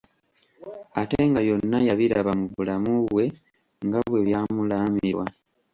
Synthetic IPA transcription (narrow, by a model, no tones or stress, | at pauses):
ateŋɡaβjo̞nːajaβiɾaβamuβulamuβwe̞ | ŋɡaβwe̞βjaːmulaːmiɾwa